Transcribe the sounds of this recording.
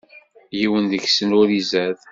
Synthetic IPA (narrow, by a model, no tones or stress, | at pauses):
jiwənðəçsənʊɾizæð